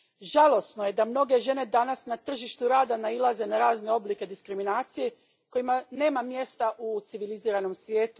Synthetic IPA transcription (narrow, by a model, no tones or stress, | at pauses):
ʒalˠo̞sno̞je̞d̪amno̞ɡe̞ʒe̞ne̞d̪anasnat̪r̩ʒiʃt̪uɾaːd̪anailˠaze̞naɾaːzne̞o̞blike̞d̪iskɾiminaːt̪sije | ko̞imane̞ːmamje̞st̪aʔut̪siʋiliziːɾano̞msʋje̞ːt̪u̥